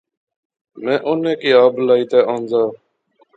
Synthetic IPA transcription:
mɛ̃ːʔʊnẽːkiːaːblaːiːt̪eːʔãːnd͡zaː

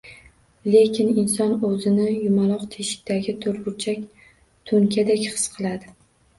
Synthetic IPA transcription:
le̞kʲʰɪnɪnsɒnɵzɪnɪjʊmalˠɒqt̪ʰeʃɪ̥k̚ʲt̪aɡʲɪt̪ʰoɾbʊɾt͡ʃʰakʲ | t̪ʰɵŋkʲʰad̪akʲχɨ̥sqʰɨlˠad̪ɪ

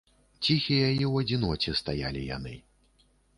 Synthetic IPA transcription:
t͡sʲixʲijajɛwɐd͡zʲinɔt͡sʲɛst̪ajalʲija̰nɨ

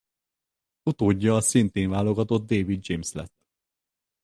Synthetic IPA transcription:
ut̪oːɟːɒːsint̪eːɱvaːlo̞ɡɒt̪o̞d̪d̪eːvid̪̚d͡ʒemslɛ̰t̪ː

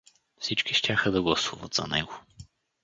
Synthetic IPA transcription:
fsit͡ʃkiʃt̪ʲaxəd̪ɐɡlˠɐsuvɐ̰t̪z̥ɐ̰nɛ̰ɡo

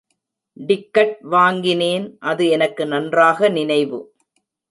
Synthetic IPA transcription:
ɖɪkːɐʈ̚ʋaːŋɡɪneːnʔɐðɯɛnɐkːɯnɐndraːɣɐnɪnɐɪʋɯ̰

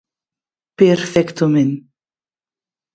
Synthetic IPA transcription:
pɛɾfɛkt̪ʊmɪn

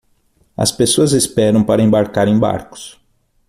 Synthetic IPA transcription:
ɐ̰spesoɐzespɛɾɐ̃w̃paɾɐẽmbaɾkaɾẽj̃ba̰ɾkʊ̥s

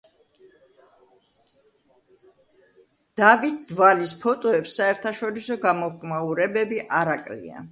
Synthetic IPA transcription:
d̪̥avit̪̚d̪valispʰɔt̪ʼɔɛpsːaɛɾt̪ʰaʃɔɾisɔɡamɔkʼmauɾɛbɛbiʔaɾakʼlḭa̰

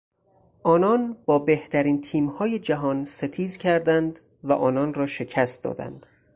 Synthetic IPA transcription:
ʔɒːnɒːnbɒːbe̞ht̪ʰæɾiːnt̪ʰiːmhɒːje̞d͡ʒæɦɒːnse̞t̪ʰiːzcʰæɾd̪ænd̪ | væʔɒːnɒːnrɒːʃe̞cʰæst̪̚d̪ɒ̰ːd̪æ̰nd̪̥

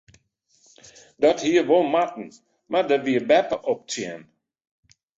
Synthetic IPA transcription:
dɔthiəʋolˠmatn̩ | madəʋiəbɛpəʔɔp̚t͡sjɛ̰n

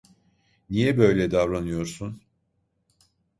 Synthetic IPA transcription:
nijɛbø̞jlʲɛd̪avɾanɯjo̞ɾsun

